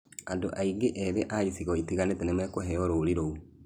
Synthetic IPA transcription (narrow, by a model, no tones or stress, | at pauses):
andoʔaiŋɡeʔɛβɛʔaisiɣɔitiɣanetɛnemɛkoɦɛɔɾoɾiɾou